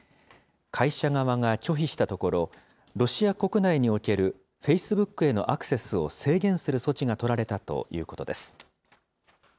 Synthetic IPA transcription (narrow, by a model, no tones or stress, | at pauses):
kʰaiɕaŋaβaŋakʲo̞çiɕi̥t̪at̪o̞ko̞ɾo̞ | ɾo̞ɕiako̞kɯ̟naiɲ̟io̞ke̞ɾɯ̟ | ɸe̞isɨbɯ̟kːɯ̟e̞no̞̰ʔakɯ̟̥se̞sɨo̞̰se̞ːɡʲẽ̞ɰ̃sɨɾɯ̟so̞t͡ɕiɡat̪o̞ɾaɾe̞t̪at̪o̞̰jɯ̟̰ːko̞t̪o̞d̪e̞sɨ̥